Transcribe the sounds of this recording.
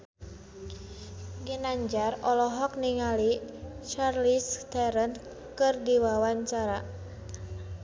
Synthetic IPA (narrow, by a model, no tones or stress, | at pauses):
ɡinaɲd͡ʒarɔlɔɦɔk̚niŋalit͡ʃarlist̪ɛɾənt̪ | kɨrdiwawaɲt͡ʃaɾa